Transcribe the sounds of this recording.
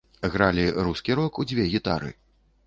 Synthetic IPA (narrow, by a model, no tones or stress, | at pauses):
ɣɾalʲiɾuskʲiɾɔkud͡zʲvʲɛɣʲit̪a̰ɾɨ̰